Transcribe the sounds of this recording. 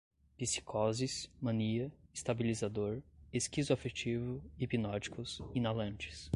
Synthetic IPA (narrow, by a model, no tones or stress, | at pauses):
pisi̥kʰɔzismɐ̃niɐest̪abilizad̪oɾeskizʊafet͡ʃivʊipinɔd͡ʒi̥kʊsinalɐ̃nt͡ʃɪ̥s